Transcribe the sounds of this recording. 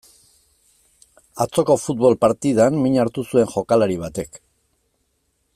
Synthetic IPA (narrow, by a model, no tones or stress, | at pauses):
at͡so̞ko̞fut̪̚βo̞lpaɾt̪ið̞anmiɲaɾt̪usue̞ŋʝo̞kalaɾiβ̞at̪e̞k